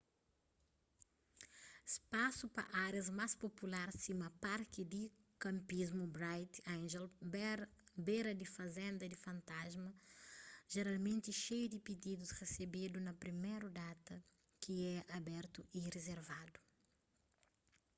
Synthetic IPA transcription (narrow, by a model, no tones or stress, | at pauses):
espasupɐ̰ʔaɾjɐzmaspopulaɾsimɐpaɾkid̪i | kɐ̃mpizmubɾajt̪ãnʒɛl | beɾɐd̪ifɐzẽnd̪ɐd̪ifɐ̃nt̪azmɐ | ʒ̥eɾalmẽnt̪iʃejud̪ipid̪id̪usresebid̪unɐpɾimeɾud̪at̪ɐ | kiɛabɛɾt̪uʔirezeɾvad̪u̥